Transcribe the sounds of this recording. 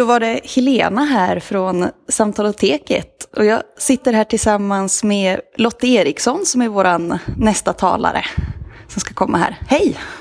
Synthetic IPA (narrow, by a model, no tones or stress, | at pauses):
d̪ɔvaɖɛhɪleːnaɦæːɾfɾɔnsamt̪ʰɑːlət̪ʰeːkə̰t̪ɔjɑːsɪt̪ːəɾɦæːʈʰɪlsamːansmelɔt̪ːəeːɾɪksɔnsɔmæɾvoːɾanːɛst̪at̪ʰɑ̰ːlʔa̰ɾə̰sɔmskakʰɔmːaɦæ̰ːɾhɛj